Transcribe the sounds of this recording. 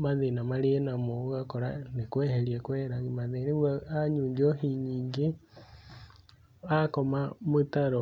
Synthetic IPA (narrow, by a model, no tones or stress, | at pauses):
maðenamaɾeenamoɣakoɾa̰nekwɛheɾiekwɛːɾaɣimaðeneβwaaɲuːɲd͡ʒohiɲiːŋɡe | akomamotaɾo